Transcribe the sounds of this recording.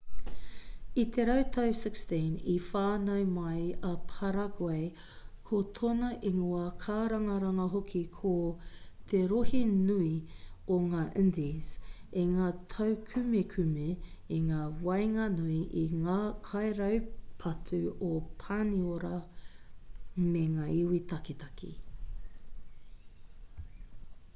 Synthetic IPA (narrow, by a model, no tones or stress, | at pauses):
it̪ʰeɾɐwt̪ʰɐwsɪkstinifaːnɐwmɐjɐpʰɐɾɐɡoej | kʰot̪ʰonɐʔiŋuɐkʰaːɾɐŋɐɾɐŋɐɦokʰikʰot̪ʰeɾohinuioŋaːʔɪndizeŋaːtʰɐwkʰʉmekʰʉmeiŋaːwɐjŋɐnuiʔiŋaːkʰɐjɾɐwpʰɐtʰʉopʰaːnioɾɐ | meŋaːiwitɐkit̪ɐkʰḭ